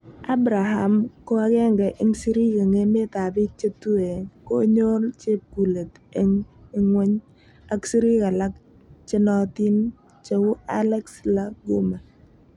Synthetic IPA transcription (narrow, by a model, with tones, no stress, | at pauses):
a˦bɾa˨ɦa˨mko˦a˦kɛ˦ŋɡɛ˨ʔɪ˦ŋsi˦ɾi˦ke˨ŋe˦me˦ta˨bi˦t͡ʃe˦tu˦e˨ko˦ɲo˦lt͡ʃe˦p̚ku˨le˨t | e˦ŋi˦ŋwe˦ɲ | a˦ksi˦ɾi˦ka˨la˦k̚ | t͡ʃɪ˦nɔ˦ti˦n | t͡ʃe˦wʊ˦a˦lɛ˦ksla˦ɡu˦ma˨